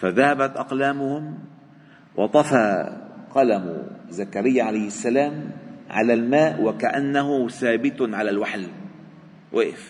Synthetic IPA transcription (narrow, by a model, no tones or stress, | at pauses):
faðahabat̪ʔɑqlaːmʊhʊm | wʔɑt̪ˤɑfaqɑlam̰zakaɾɪjːaʕalajhɪsːalaːmʕa̰lalmaːʔwakaʔanːahʊsaːbɪt̪ʕalalwaħl | wʔeːf